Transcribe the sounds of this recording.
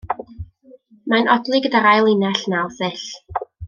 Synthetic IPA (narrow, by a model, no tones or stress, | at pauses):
manɔdlˠɨɡədaɾajlˠɪnaɬnawˠθɪɬ